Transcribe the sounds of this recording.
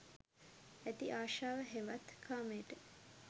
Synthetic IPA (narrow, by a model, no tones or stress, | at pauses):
æt̪iʔaːʃaːʋəɦeʋat̪kʰaːmeːʈə